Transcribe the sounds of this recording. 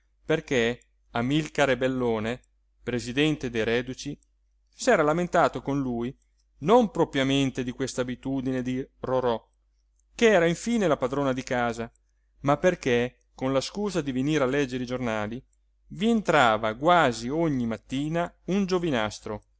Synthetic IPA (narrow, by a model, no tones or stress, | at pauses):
perke | amilkaɾebelːoːne | pɾezid̪ɛnt̪ed̪ejɾɛːd̪ut͡ʃi | sɛːɾalament̪aːt̪okonluːj | nompɾopɾjament̪ed̪ikwest̪aːbit̪uːd̪ined̪iroɾɔ | keɛːɾaiɱfiːnelapad̪ɾoːnad̪ikaːza | mapːerke | konlaskuːzad̪iveniːɾalɛd͡ʒːeɾid͡ʒornaːli | vient̪ɾaːvaɡwaːzioɲːimat̪ːiːnaund͡ʒovinast̪ɾo